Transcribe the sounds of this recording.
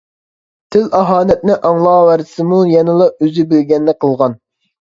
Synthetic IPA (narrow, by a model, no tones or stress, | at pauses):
t̪ʰɪlɑɦɑːnɛt̪̚nɪʔɑŋlˠɑːwæɾsɨmujɛnɨlˠɑøzɪbelɡʲɛnːɛqʰəlˠʁɑn